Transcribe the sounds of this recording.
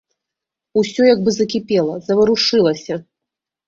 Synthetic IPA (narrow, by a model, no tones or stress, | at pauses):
usʲɔjɐɡbɨzɐkʲipʲɛlˠɐzɐvɐɾuʂɨlˠɐsʲɐ